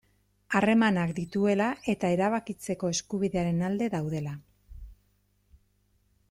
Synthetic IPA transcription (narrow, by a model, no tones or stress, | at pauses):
are̞manakd̪it̪ue̞laʔe̞t̪ae̞ɾaβakit͡se̞ko̞e̞skuβiðe̞aɾe̞nald̪e̞ðawðe̞la